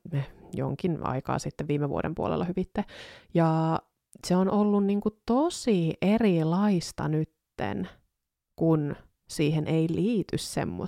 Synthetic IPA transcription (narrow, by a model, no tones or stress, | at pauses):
mejo̰ŋkinɑ̰ikɑ̰ːsit̪ːeʋʋiːmːeʋṵoɾḛmpuo̰lḛlːɑhyʋit̪ːejɑː | seonʔolːunniːŋkut̪osiʔerilɑist̪ɑ̰nyt̪ːḛn | kun | siːɦenʔeiliːt̪y̰ssḛmːo̰